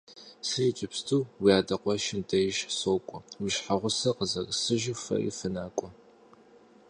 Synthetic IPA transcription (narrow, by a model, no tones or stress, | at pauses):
sɨjit͡ʃʼɪpstʰuːwijaːdɐqʷɔʃɪntʰʼɐjɪʃsoːkʷʼɔwiʃħaʁʷʊsɐqəzɐrsɨʒɪfɐ̰ʔḭːfɨnaːkʷʼɔ